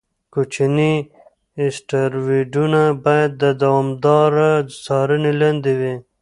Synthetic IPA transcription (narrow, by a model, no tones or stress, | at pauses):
kut͡ʃini | ɪsʈaɾwiɖunabɑjad̪̚ːəd̪awɑmd̪ɑɾasɑɾəniland̪iwi